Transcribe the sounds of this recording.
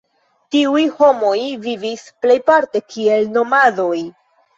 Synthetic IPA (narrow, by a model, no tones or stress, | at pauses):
tiujho̞mo̞jvivisple̞jpaɾte̞kʰie̞lno̞mado̞j